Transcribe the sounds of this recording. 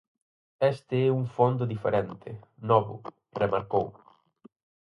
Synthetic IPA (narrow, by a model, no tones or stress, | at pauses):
ɛst̪ɪɛuŋfond̪ʊðifḛɾɛnt̪ʰɪnɔβʊ̰ | remaɾkow